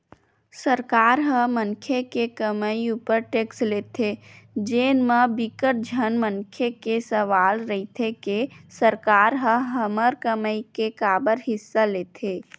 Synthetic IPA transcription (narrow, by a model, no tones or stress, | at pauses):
səɾkaːɾɦə̃mənkʰekekəməiupəɾʈeːksleːt̪ʰed͡ʒeːnməbɪkəʈ̚d͡ʒʱənmənkʰekesəʋaːlɾəɦit̪ʰekesəɾkaːɾɦə̃ɦəməɾkəməikekaːbəɾɦɪsːaleːt̪ʰe